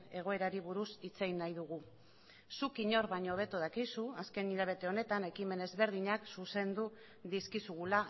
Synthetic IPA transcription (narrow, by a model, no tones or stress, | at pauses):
e̞ɣ̞o̞e̞ɾaɾiβuɾusit͡se̞jnːajðuɣu | sukiɲo̞ɾβaɲo̞β̞e̞t̪uð̞akisuaske̞niʎaβ̞e̞t̪e̞o̞ne̞t̪ane̞kime̞ne̞zβe̞ɾð̞iɲaksuse̞nd̪u | ðiskisuɣula